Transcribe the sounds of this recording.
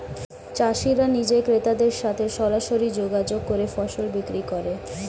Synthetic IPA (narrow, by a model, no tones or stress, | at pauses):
t͡ɕaʃiɾanid͡ʑekɾet̪ad̪eɾʃat̪ʰeʃɔɾaʃoɾid͡ʑoɡad͡ʑoɡ̚kːoɾefɔʃolbikɾikoɾe